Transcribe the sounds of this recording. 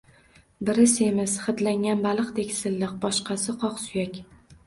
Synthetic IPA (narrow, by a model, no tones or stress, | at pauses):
bɪɾɪse̞mɪsχɨt̪laŋʲanbalˠɨqt̪ekʲsɪlːɪq̚bɒʃqʰɑsɪqʰɒqsʊjakʲ